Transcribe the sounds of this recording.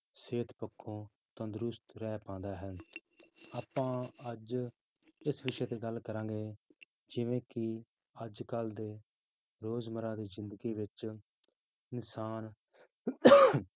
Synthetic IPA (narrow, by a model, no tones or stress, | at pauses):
seːt̪pəkʰːõː | t̪ãnd̪ɾʊst̪ɾɛːpãːnd̪aːɦən | aːpãːəd͡ʒ | ɪsʋɪʃɛːt̪eːɡəlkəɾãːɡeː | d͡ʒɪʋẽːkɪ | əd͡ʒkəld̪eː | ɾoːzməɾãːd̪iːzɪ̃nd̪əɡiːʋɪt͡ʃ | nɪsaːn